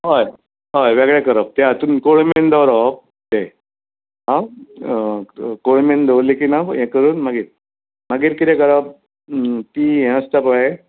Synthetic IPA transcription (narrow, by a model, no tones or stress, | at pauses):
ɦaj | ɦajʋeɡɭɛkəɾəp̚t̪ɛat̪uːnkoɽmend̪ɔʋɾɔp̚ | t̪e | ɦã | koɽmend̪olikinajɛ̃kəɾuːnmaɡiːɾ | maɡiːɾkit̪ɛ̃kəɾab̚ | t̪iːɦɛ̃əst̪apəe